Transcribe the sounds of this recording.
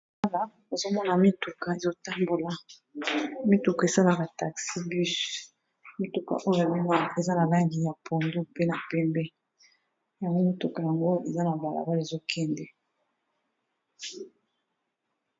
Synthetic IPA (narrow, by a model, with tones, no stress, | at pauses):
a˦la˨ | e˨zo˦mɔ˦na˨mi˦tu˨ka˨e˨zo˦ta˦mbo˨la˨ | mi˦tu˨ka˨e˨sa˦la˨ba˨ta˨ksi˦by˦s | mi˦tu˨ka̰˨ʔo˦jo˦e˨li˦ŋɡa˦e˨za˦na˨la˦ŋɡi˨ja˨pʰo˨ndu˦pe˦na˨pɛ˦mbɛ˦ | ja˨ŋɡo˦mi˦tu˨ka˨ja˨ŋɡo˦e˨za˦na˨ba˨la̰˨ba˦le˨zo˦kʰɛ˦ndɛ˨